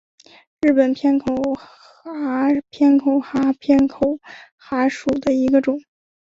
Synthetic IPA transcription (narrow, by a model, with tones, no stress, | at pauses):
ɻɻ̩˥˩pə˨˩npʰjɛ˥nkʰo˨˩ʊ | a˧˥pʰjɛ˥nkʰo˨˩ʊxa˧˥pʰjɛ˥nkʰo˨˩˦ʊ | xa˧˥ʂu˨˩d̪ə˦i˧˥ɡə˧ʈ͡ʂʊ˨˩˦